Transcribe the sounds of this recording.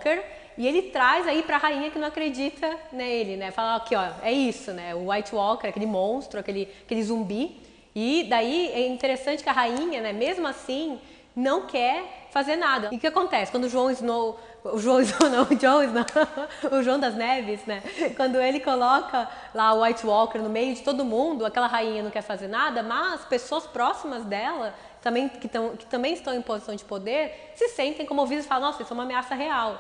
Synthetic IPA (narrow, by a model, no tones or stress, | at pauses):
keɾ | ɪelɪt̪ɾajzaipɾɐhaĩɲɐkɪnɐ̃w̃akɾed͡ʒit̪ʰɐnɛelɪnɛfalɐɔkɪɔɛisʊnɛʊwajt͡ʃɪwɔkeɾɛakelɪmõst̪ɾʊakelɪakelɪzũmbi | ɪd̪aiɛĩnt̪eɾesɐ̃nt͡ʃɪ̥kɪɐɦaĩɲɐnɛmezmʊasĩ | nɐ̃w̃kʰɛɾfazeɾnad̪ɐʊkɪakõnt̪ɛsɪkwɐ̃nd̪ʊʒuɐ̃w̃ɪzno | ʊʒuɐ̃w̃ɪznownɐ̃w̃ʒuɐ̃w̃ɪznɐ̃ʊʒuɐ̃w̃d̪ɐznɛvɪsnɛkwɐ̃nd̪ʊelɪkolɔkɐ | laʊajt͡ʃwɔkeɾnʊmejʊd͡ʒɪt̪od̪ʊmũnd̪ʊakɛlɐɦaĩɲɐnɐ̃w̃kɛɾfazeɾnad̪ɐmɐspesoɐspɾɔsimɐzd̪ɛlɐ | t̪ɐ̃mbẽj̃kɪt̪ɐ̃w̃kɪ̥t̪ɐ̃mbẽj̃ɪst̪ɐ̃w̃ẽj̃pozisɐ̃w̃d͡ʒɪpod̪eɾ | sɪsẽnt̪ẽj̃kõmovid̪ɐsfalɐ̃nɔsɪsɛũmameasɐɦeaw